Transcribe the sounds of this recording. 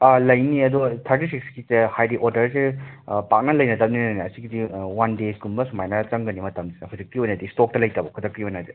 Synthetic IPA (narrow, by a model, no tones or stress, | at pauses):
ɐlɐjniɐd̪ɔt̪ʰɐɾtisiksɡisehajdiʔoɾdɐɾsepak̚nɐlɐjnɐtɐp̚ninnɐniɐsiɡidiwandesɡumbɐsumajnɐt͡ʃɐŋɡɐnimɐtɐmd͡ʒinɐpʰuzik̚iojnɐdistok̚tɐlɐjtɐbɔkʰudɐkɾiojnɐdi